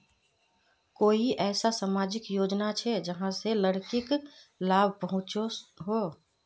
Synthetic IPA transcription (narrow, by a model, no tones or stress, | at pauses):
koːiʔɛːsasaːmaːd͡ʒɪkjoːd͡ʒnat͡ʃʰɛd͡ʒəɦãseləɽkɪklaːbʱpəɦʊ̃t͡ʃoɦoː